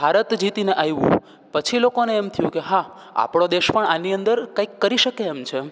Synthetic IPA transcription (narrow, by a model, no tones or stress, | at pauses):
bʱaɾət̪d͡ʒit̪ineʔajʋṵ̃ | pət͡ʃʰilokoneːmt̪ʰəjũkeɦa | a̰pɽ̃od̪eʃpəɳaniənd̪əɾkaikːəɾiʃəkeːmt͡ʃʰe